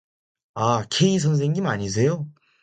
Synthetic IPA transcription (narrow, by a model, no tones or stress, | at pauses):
akʰeis̬ʰʌns̬ʰeŋɡimaɲis̬ʰe̞jo